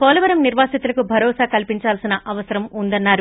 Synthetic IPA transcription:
pɔːlɐʋɐɾɐmniɾʋaːsit̪ulɐkubʱɐɾɔːsaːkɐlpiɲt͡ʃaːlsinɐʔɐʋɐsɐɾɐmund̪ɐnːaːɾu

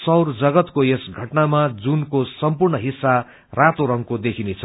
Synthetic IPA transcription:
sʌwrd͡zʌɡʌt̪kojesɡʱʌʈnamad͡zunkosʌmpurnʌɦisːa | rat̪oɾʌŋkod̪ekʰinet͡sʰʌ

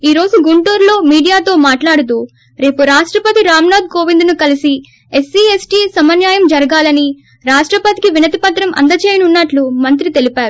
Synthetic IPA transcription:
iːɾo̞ːd͡ʒuɡuɳʈuːɾlo̞ːmiːɽijaːt̪o̞ːmaːʈlaːɽut̪̬uː | ɾe̞ːpuɾaːʂʈɾɐpɐt̪iɾaːmnaːd̪̚ko̞ːʋind̪nukɐlisi | e̞siːesʈiːsɐmɐnjaːjɐmd͡ʒɐɾɐɡaːlɐni | ɾaːʂʈɾɐpɐt̪ikiʋinɐt̪ipɐt̪ɾɐmɐ̰nd̪ɐt͡ʃeːjɐnunːɐʈlumɐnt̪ɾit̪e̞lipaːɾu

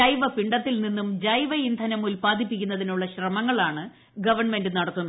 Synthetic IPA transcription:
ɐjʋɐpiɳɖɐt̪ːilninːumd͡ʑɐjʋɐind̪ʱɐnɐmulpaːd̪ʱipːikʲːunːɐðinuɭːɐɕrɐmɐŋːɐɭaːɳɨ | ɡɐʋɐrɳme̞ndɨnɐɽɐt̪ːunːɐ

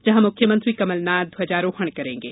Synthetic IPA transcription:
d͡ʒɐɦãmʊkʰjəmɐ̃nt̪ɾiːkɐməlnaːd̪ɦɐd͡ʒaːɾoːhɐɳ̃kɐɾẽːŋɡeː

